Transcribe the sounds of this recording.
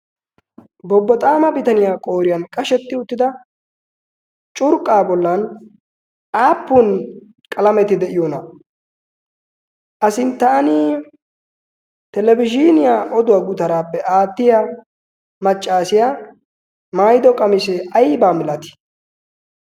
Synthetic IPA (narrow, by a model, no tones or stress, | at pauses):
bɔbːɔt̪ʼaːmɐbɪt̪ɐnɪjaːkʼoːɾɪjɐnkʼɐʃɛt̪ːɪʊt̪ːɪd̪ɐ | t͡ʃʼʊɾkʼːaːbɔlːɐn | aːpːun | kʼɐlɐmɛt̪ɪd̪ɛʔɪjonɐ | ʔɐsɪnt̪aːnɪ | t̪ɛlɛbɪd͡ʒinɪjaʔɔd̪ʊwaːɡʊt̪ɐɾaːpːɛʔaːt̪ːɪja | mɐt͡ʃʼːaːsɪjaː | maːjɪd̪ɔkʼɐmɪsɛɐjbaːmɪlɐt̪ɪ̥